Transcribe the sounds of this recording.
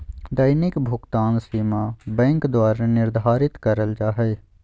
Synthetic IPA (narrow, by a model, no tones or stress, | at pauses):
d̪əjnɪkbʱʊɡt̪aːnsiːmabɛ̃ːŋkd̪waːɾanɪɾd̪ʱaːɾɪt̪kəɾəld͡ʒaːɦɛː